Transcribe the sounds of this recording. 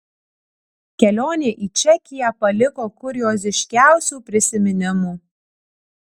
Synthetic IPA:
kʲɛlʲoːnʲeːʔiːt͡ʃʲɛkʲɪjæpɐlʲɪkoːkʊɾʲɪjoːs̬ʲɪʃʲkʲæˑʊsʲuːpʲɾʲɪsʲɪmʲɪnʲɪmuː

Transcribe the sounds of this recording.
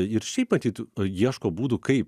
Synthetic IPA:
ɪɾʃʲɛɪpmɐt̪ʲiːt̪jiɛʃkoːbuːd̪ʊkɐɪp

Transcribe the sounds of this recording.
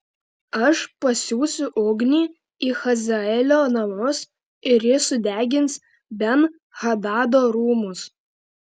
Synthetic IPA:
ɐʃpɐsʲuːsʲʊʔʊɡnʲiː | iːxɐzʲɐɛlʲoːnɐmʊs | ɪɾjɪsʊd̪ʲæːɡʲɪns | bʲɛn | hɐd̪ɑːd̪oːɾuːmʊs

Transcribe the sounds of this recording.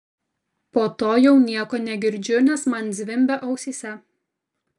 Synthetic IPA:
poːt̪oːjɛʊnʲiɛkoːnʲɛɡʲɪɾʲd͡ʒʲʊnʲɛsmɐnd̪zʲʋʲɪmʲbʲɛʔɐʊsʲiːsʲɛ

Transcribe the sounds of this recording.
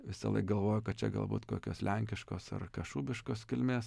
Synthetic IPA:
ʋʲɪsɐlˠɐ̰ɪkɡɐlˠʋoːjʊkɐt̪̚t͡ʃʲɛ̰ɡɐ̰lˠbuːt̪ko̰ːkʲo̰ːslʲɛŋʲkʲɪʃkoːsɐ̰rkɐʃuːbʲɪʃkoːskʲɪlʲmʲeːs

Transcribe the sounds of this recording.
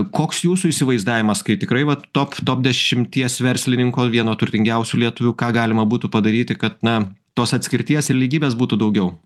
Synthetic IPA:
koːksjuːsuiːsʲɪʋɐɪzd̪ɑːʋʲɪmɐskɐɪt̪ʲɪkɾɐɪʋɐt̪oːpt̪oːp̚d̪ʲɛʃʲɪmʲt̪ʲiɛsʋʲɛɾʲsʲlʲɪnʲɪŋkoːʋʲiɛnoːt̪ʊrʲt̪ʲɪŋʲɡʲɛʊsʲulʲiɛt̪ʊʋʲuːkɑːɡɑːlʲɪmɐbuːt̪ʊpɐd̪ɐɾʲiːt̪ʲɪkɐt̪nɐt̪oːsɐt̪ʲsʲkʲɪɾʲt̪ʲiɛsɪɾlʲiːɡʲiːbʲeːsbuːt̪ʊd̪ɐʊɡʲɛʊ

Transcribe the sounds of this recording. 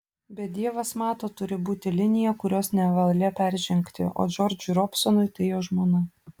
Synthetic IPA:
bʲɛd̪ʲiɛʋɐsmɑːt̪oːt̪ʊɾʲɪbuːt̪ʲɪlʲɪnʲɪjɛkʊɾʲoːsnʲɛʋɐlˠlʲɛpʲæɾʲʒʲɛŋʲkt̪ʲɪ̰ʔo̰ːd͡ʒʲɔːɾʲd͡ʒʲʊɾɔpʲsɔnʊɪt̪ɐjoːʒmoːnɐ

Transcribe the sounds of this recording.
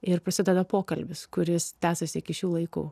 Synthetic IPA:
ɪɾpɾɐsʲɪd̪ʲɛd̪ɐpoːkɐlʲbʲɪskʊɾʲɪst̪ʲæːsɐsʲɪɪkʲɪʃʲuːlˠɐɪkṵː

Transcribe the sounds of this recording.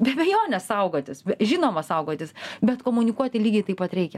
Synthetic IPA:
bʲɛbʲɛjoːnʲɛssɐʊɡoːt̪ʲɪsbʲɛʒʲɪnoːmɐsɐʊɡoːt̪ʲɪsbʲɛt̪koːmʊnʲɪkuɔt̪ʲɪlʲiːɡʲɛɪt̪ɐɪpɐt̪ɾʲɛɪkʲɛ

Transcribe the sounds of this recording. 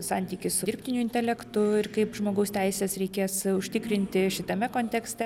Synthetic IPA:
sɑːnʲt̪ʲiːkʲɪssʊɪɾʲpʲt̪ʲɪnʲʊɪnʲt̪ʲɛlʲɛkt̪ʊɪrkɐɪpʒmoːɡɐʊst̪ʲɛɪsʲeːsɾʲɛɪkʲeːsʊʃʲt̪ʲɪkɾʲɪnʲt̪ʲɪʃʲɪt̪ɐmʲɛkoːnʲt̪ʲɛksʲt̪ʲɛ

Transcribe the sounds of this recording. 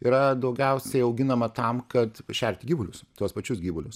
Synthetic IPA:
iːɾɐd̪ɒʊɡʲɛʊsʲɛɪɐʊɡʲɪnɐmɐt̪ɐmkɐt̪ʃʲɛɾʲt̪ʲɪɡʲiːʋʊlʲʊst̪uɔspɐt͡ʃʲʊsɡʲiːʋʊlʲʊs

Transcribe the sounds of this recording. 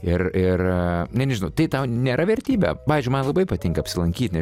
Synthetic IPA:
ɪrɪrnʲɛnʲɛʒʲɪnɐʊt̪ɐɪt̪ɐʊnʲeːɾɐʋʲɛrʲt̪ʲiːbʲɛ̰ːpɑːʋʲeːzʲd͡ʒʲʊɪmɐnlˠɐbɐɪpɐt̪ʲɪŋkɐpʲsʲɪlˠɐŋʲkʲiːt̪ʲnʲɛ

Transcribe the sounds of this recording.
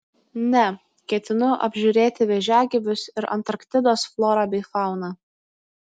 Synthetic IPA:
nʲɛ | kʲɛt̪ʲɪnʊʔɐ̰bʲʒʲuːɾʲeːt̪ʲɪʋʲɛʒʲæːɡʲɛʋʲʊsɪɾɐ̰nt̪ɐɾkt̪ʲɪd̪oːsflˠoːɾɑːbʲɛɪfɑˑʊnɑː

